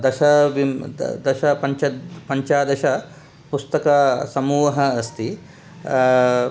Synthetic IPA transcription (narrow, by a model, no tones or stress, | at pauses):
d̪ɐʃɐʋimd̪ɐʃɐpɐɲt͡ʃɐpɐɲt͡ʃaːd̪ɐʃɐ | pust̪ɐkasɐmuːʋɐɦɐːst̪i